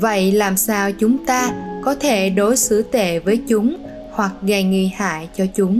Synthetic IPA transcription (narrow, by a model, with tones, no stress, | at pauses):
və̰˧˨jlaː˨˩msaː˧wt͡ɕʊ˨˦ŋ͡mt̪aː˧kɔ˨˦t̪ʰe˧˩ɗo˨˦jsɨ˧˥t̪ḛ˧˨vəː˨˦jt͡ɕʊ˨˦ŋ͡m | hwa˨˩k̚ɣa˨˩ŋḭ˧˨ha̰ː˧˨jt͡ɕɔ˧t͡ɕʊ˨˦ŋ͡m